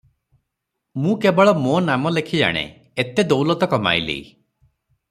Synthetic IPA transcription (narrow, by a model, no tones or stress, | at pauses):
mũkebɔɭɔmonamɔlekʰid͡ʒa̰ɽ̃ḛ | et̪ed̪owlɔt̪ɔkɔma̰jlḭ